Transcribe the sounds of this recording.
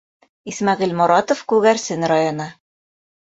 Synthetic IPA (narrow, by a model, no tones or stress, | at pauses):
ismɑʁilmuɾɑt̪ŏfkʉɣæɾsɘnɾajonɤ